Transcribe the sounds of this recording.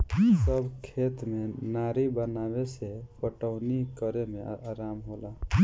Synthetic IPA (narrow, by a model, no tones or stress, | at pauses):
səbkʰet̪menaɾibənabesepəʈəʊnikəɾemeaɾamɦola